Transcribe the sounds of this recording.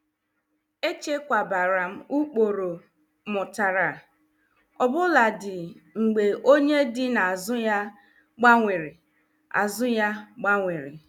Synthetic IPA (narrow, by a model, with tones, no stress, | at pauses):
e˦t͡ʃe˦kʷa˨ba˨ɾa˨m̩˦u˦k͡po˨ɾo˨ | mʊ˨ta˨ɾa˨ | ɔ˨bʊ˦la˨dɪ˨ŋ͡m̩˨ɡ͡be˨ʔo˦ɲe˦dɪ˦na˨a˨zʊ˦ja˦ | ɡ͡ba˦ŋʷɪ˨ɾɪ˨ | a̰˨zʊ˦ja˦ɡ͡ba˦ŋʷɪ˨ɾɪ̰˨